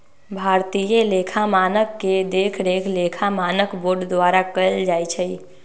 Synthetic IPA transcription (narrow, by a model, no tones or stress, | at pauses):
bʱaɾt̪ijelekʰamaːnəkːed̪ekʰd̪ekʰlekʰamaːnəkboɾɖd̪waɾakəld͡ʒaːjt͡ʃʰəi